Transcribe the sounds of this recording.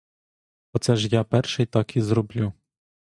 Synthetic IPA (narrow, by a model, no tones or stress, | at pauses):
ɔt̪sɛʒjapɛrʃɪjt̪ɑkizɾɔblʲu